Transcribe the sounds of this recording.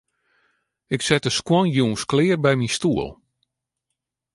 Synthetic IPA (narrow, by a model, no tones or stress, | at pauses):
ɪksɛtəskwɔnjuːnsklɪːərbɛjmistuəlˠ